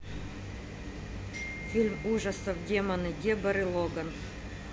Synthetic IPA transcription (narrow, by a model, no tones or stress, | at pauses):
fʲilʲmuʐɐsəvdʲemɐnɨdʲebɐɾɨlˠoɡɐn